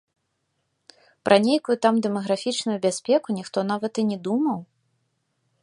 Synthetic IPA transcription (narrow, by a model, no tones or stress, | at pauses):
pɾʔɐnʲejkujut̪amd̪ɛmɐɣɾafʲit͡ʂnʊjubʲasʲpʲɛkunʲixt̪ɔn̪avɐt̪ɨnʲɛd̪umɐw